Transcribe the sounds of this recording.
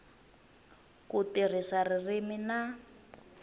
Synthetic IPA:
kutir̤isaririmina

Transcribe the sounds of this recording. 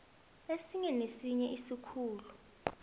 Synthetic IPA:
esiŋɛnesiɲɛʔisikʰuːlu

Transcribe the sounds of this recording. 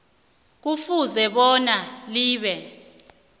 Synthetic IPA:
k̬ufuzɛɓɔnaliːɓɛ

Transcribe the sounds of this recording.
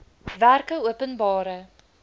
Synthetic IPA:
værkəuəpənbɑːɾə

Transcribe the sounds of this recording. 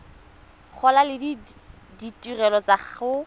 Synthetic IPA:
k͡xʰɔlalɪdi | ditʼirɛlɔt͡saχʊ

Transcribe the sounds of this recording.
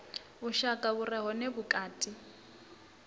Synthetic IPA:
bʊʃakʼaburɛɦɔnebʊkʼaːtʼi

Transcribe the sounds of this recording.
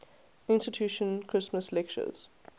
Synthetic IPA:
ɪ̃nstɪtʰjuːʃə̃nkʰɹ̥ɪsməslɛk̚t͡ʃə̰z̥

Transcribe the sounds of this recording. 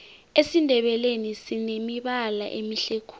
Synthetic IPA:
esindʱɛɓɛlenisinemiɓala̰ʔemiɬekʰu̥

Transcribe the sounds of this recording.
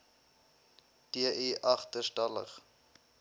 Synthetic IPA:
d̥iəʔiʔɐχtərstɐlə̰χ

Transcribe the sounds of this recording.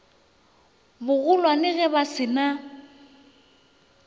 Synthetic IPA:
bʊɣʊlwanɪɣɛbasɪna

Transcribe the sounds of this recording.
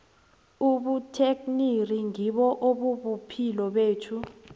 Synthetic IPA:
uɓutʰekniriŋiɓɔʔoɓuɓupʰilɔɓeːtʰu

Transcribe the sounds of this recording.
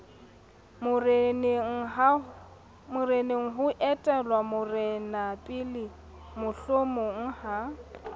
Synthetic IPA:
mʊrnŋ̩a | mʊrenɪŋ̩ɦʊʔɛtʼɛlwamʊrɛnapʼɪlɪ | mʊɬomʊŋ̩ha

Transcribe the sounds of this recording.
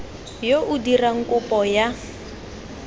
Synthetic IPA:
joʔudiraŋ̩kʼʊpʼɔja

